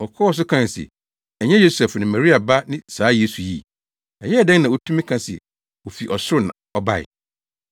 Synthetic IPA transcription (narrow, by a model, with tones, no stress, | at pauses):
ɔ˨kʰɔ˦wɔ˨s̬ʊ˦kʰã˦n˨sḭ˨ | ɛ˨ɲɛ̃˦jo˦sɛ˨fnɪ̃˨mã˨ɾi˦a˨ba˦nɪ̃˦saː˨˦je˦su˨jḭ˦˨ | ɛ˨jɛ˦ɛ˨dɛ̃˦nnã˨wo˨tʰũ˦mĩ˦kʰã˦sɪ̰˨ | wo˨fi˨ʔɔ˨sʊ˦ɾʊ˦nã̰˨ɔ˦ba˦˨ɪ̰˨